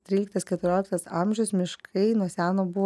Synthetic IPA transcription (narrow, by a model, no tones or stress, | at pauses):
t̪ʲɾʲiːlʲɪkt̪ɐskʲɛt̪ʊɾʲoːlʲɪkt̪ɐsɐmʲʒʲʊsmʲɪʃkʰɐɪnuɔsʲæːnoːbʊʋ